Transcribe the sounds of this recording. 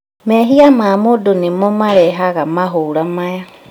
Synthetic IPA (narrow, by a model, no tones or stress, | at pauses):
mɛɦiamaːmodonemɔmaɾɛɦaɣamaɦoɾamaja